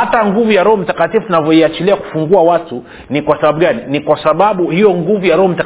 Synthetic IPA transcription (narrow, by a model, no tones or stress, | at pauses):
ataŋɡuvujaɾɔhɔm̩itakatifutunavjɔiat͡ʃiliaku̥fuŋɡuawatu | nikwasaɓaɓuɡaninikwasaɓaɓuhijɔŋɡuvujaɾɔhɔm̩ita